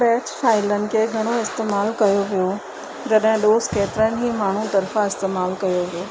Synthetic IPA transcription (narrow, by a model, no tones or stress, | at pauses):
ɾɛːt͡ɕfaːɪlənɪ̆kʰeːɡʱɐɽ̃oɪst̪eːmaːlkɐjoʋijo | d͡ʑɐɗɦɪ̃ɗoːzkeːt̪ɪɾənɪɦiːmaːɳ̤ut̪ɐɾfãɪst̪eːmaːlkɐjoʋijoː